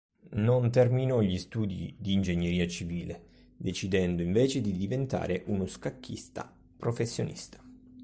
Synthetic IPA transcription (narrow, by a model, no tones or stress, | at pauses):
nont̪ɛrminoʎist̪uːd̪ḭd̪iːnd͡ʒeɲːeɾiːat͡ʃiviːle | d̪et͡ʃid̪ɛnd̪oiɱveːt͡ʃed̪id̪ivent̪a̰ːɾeʔunoskakːḭst̪a̰ | pɾofesːjonʔḭst̪ḁ